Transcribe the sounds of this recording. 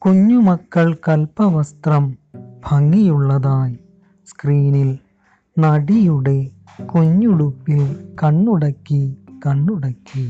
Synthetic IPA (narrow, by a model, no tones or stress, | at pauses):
kʊɲːumɐkːɐɭkɐlpɐʋɐst̪ɾɐmbʰʱɐŋɡijɯɭːɐðaːj | skɾiːnɪl | nɐɽijɯɽe | kʊɲːɯɽɯpːɪlkɐɳːɯɽɐkːikɐɳːɯɽɐkːi